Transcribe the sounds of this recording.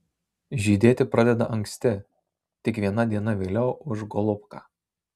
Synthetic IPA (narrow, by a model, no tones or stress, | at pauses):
ʒʲiːd̪ʲeːt̪ʲɪpɾɐd̪ʲɛd̪ɐʔɐŋʲksʲt̪ʲɪ | t̪ʲɪkʋʲiɛnɐd̪ʲiɛnɐʋʲeːlʲɛʊʊʒɡɔlˠʊpkɑː